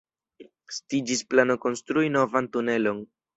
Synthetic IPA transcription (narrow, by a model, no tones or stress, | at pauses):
stid͡ʒisplano̞ko̞nstɾuino̞vantune̞lo̞n